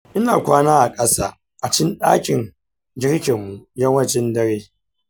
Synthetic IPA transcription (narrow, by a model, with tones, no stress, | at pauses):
ʔɪ˦na̰ː˨kʷaː˦naː˦ʔa˨kʼɐ˦saː˦ | ʔa˨t͡ʃɪ˦nɗaː˦kʲɪ˨n | d͡ʒʲɪ˦ɽkʲɪ˨mːu˨jɐ˦ŋwɐ˦˨t͡ʃɛ˦ndɐ˦ɽeː˦